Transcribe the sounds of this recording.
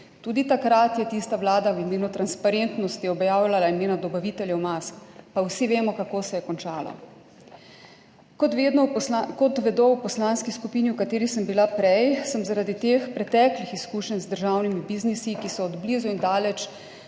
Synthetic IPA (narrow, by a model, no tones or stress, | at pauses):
t̪uːd̪it̪akɾat̪jɛt̪ist̪aʋlaːd̪awimeːnut̪ɾanspaɾent̪nɔst̪iɔbjaːwjlalaimeːnad̪ɔbaʋit̪ɛljɛwmaskpawsiʋeːmɔkakoːsɛjɛkɔnt͡ʃaːla̰ | kɔt̪ʋed̪nɔkɔt̪ʋɛd̪owpɔslaːnskiskupiːniwkat̪eːɾisəmbilapɾɛjsəmzaɾad̪it̪eːxpɾɛt̪ɛklixiskuːʃənzd̪əɾʒawnimibiznisikisɔːd̪blizuind̪aːlɛt͡ʃ